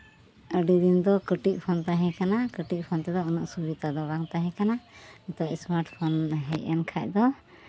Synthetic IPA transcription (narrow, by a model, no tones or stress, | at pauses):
əɖid̪ind̪ɔkəʈic̚pʰɔnt̪aɦɛ̃kanakəʈic̚pʰɔnt̪ɛd̪ɔɔnɔʔsubit̪ad̪ɔbaŋt̪aɦɛ̃kanamɛt̪ɔʔsmaɾʈpʰɔnɦɛcɛnkʰac̚d̪ɔ